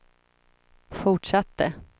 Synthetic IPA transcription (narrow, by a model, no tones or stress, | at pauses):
fʊʈʂat̪ːə